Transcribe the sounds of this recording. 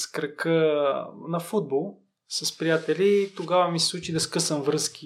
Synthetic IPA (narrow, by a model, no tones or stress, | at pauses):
skɾɐkə | nɐfud̪̚bolˠ | sɐspɾijat̪ɛlit̪oɡavɐmisɛsˠut͡ʃid̪ɐskɤsəmvɾɤsk̟ʲi